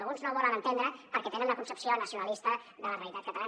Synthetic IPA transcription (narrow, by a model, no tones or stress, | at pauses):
lɣunznoβɔlənənt̪end̪ɾəpəɾkɛt̪enə̃nləkunsəpsionəsiunəlist̪əðələreəlit̪at̪kət̪ala